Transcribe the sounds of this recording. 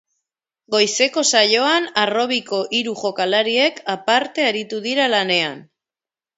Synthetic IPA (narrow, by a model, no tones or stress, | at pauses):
ɡo̞jse̞ko̞saʎo̞anaro̞β̞iko̞ʔiɾuʝo̞kalaɾie̞kapaɾt̪e̞aɾit̪uðiɾalane̞an